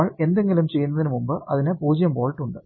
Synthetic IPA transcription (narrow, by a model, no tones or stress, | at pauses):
ɭend̪eŋɡilumt͡ɕejːunːɐðinɨmumbɨʔɐðinepuːd͡ʑɐjɐmpoːɻiʈːuɳɖɨ